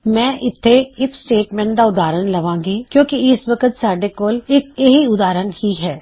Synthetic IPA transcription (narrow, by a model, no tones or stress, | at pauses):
mɛ̃ːʔɪt̪ʰːeɪksʈeːʈmɛ̃ːɳʈd̪aʊd̪aːɾənlɐʋãːŋɡikjõːkiɪsʋɐkət̪saːɖekoːlɪk̚eɦiʊd̪aːɾənhiɦɛː